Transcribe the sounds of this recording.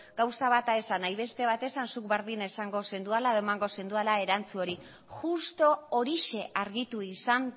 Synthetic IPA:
ɡawsaβat̪aesanajβe̞st̪e̞β̞at̪e̞sansuk̚beɾðinaesaŋɡo̞se̞nd̪ualaðoemaŋɡo̞se̞nd̪ualae̞ɾant͡suo̞ɾi | xust̪o̞oɾiʃe̞aɾɣit̪uisan

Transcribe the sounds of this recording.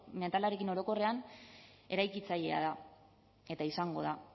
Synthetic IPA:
me̞nt̪alaɾe̞kino̞ɾo̞ko̞re̞an | e̞ɾajkit͡saje̞a̰ða | e̞t̪aisaŋɡo̞ð̞a

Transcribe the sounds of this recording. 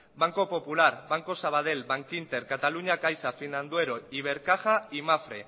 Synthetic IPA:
baŋko̞po̞pulaɾβaŋko̞saβ̞að̞e̞lβaŋkint̪e̞ɾkat̪aluɲakajsafinand̪ue̞ɾo̞iβ̞e̞ɾkaxaimafɾe

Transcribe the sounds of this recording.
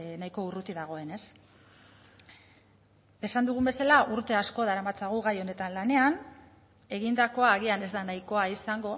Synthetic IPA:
najko̞urut̪iðaɣ̞o̞e̞ne̞s | esand̪uɣ̞umbe̞salaʔuɾt̪e̞asko̞ð̞aɾamat͡saɣuɣ̞ajo̞ne̞t̪anlane̞an | e̞ɣind̪ako̞aːɣiane̞zd̪anajko̞aisaŋɡo̞

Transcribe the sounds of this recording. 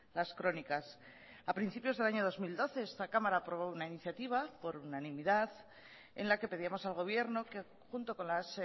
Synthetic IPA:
laskɾo̞nikas | apɾinθipjo̞zðe̞laɲo̞ð̞o̞zmild̪o̞θe̞est̪akamaɾaːpɾo̞β̞o̞unainiθjat̪iβ̞apo̞ɾunanĩmiðaθ | e̞̰nlake̞pe̞ðiamo̞salɣ̞o̞β̞je̞ɾno̞ke | xunt̪o̞ko̞nlas

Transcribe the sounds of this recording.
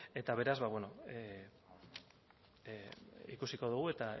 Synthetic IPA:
e̞t̪aβ̞e̞ɾazβaβweno | ḭkusiko̞ð̞uɣ̞ue̞t̪a

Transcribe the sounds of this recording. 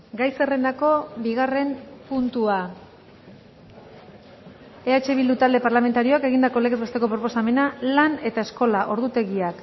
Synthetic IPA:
ɡajsere̞nd̪ako̞biɣ̞are̞mpunt̪ua | e̞at͡ʃe̞βild̪ut̪ald̪e̞paɾlame̞nt̪aɾio̞ake̞ɣind̪ako̞le̞ɣezβest̪e̞ko̞pɾopo̞same̞nalane̞t̪ae̞sko̞laʔo̞ɾðut̪e̞ɣiak

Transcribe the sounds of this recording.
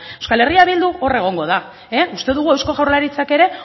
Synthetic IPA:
eskale̞riaβild̪uo̞re̞ɣ̞o̞ŋɡo̞ð̞a | eust̪e̞ðuɣ̞uewsko̞ɣawrlaɾit͡sake̞ɾe̞

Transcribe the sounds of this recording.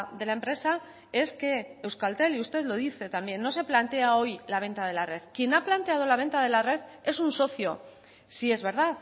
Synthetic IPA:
d̪e̞laempɾe̞sa | e̞ske̞ewskalt̪e̞liust̪e̞ðlo̞ðiθe̞t̪ambje̞nːos̬e̞plant̪e̞ao̞jlaβ̞e̞nt̪að̞e̞lare̞ðkje̞naplant̪e̞að̞o̞laβẽ̞nt̪aðe̞lare̞ðe̞sunso̞θjo̞ | sie̞zβe̞ɾð̞að

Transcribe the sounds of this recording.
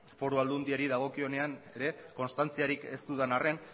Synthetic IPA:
fo̞ɾuald̪und̪iaɾiðaɣ̞o̞kio̞ne̞ane̞ɾe̞ko̞nst̪ant͡siaɾike̞st̪uðanare̞n

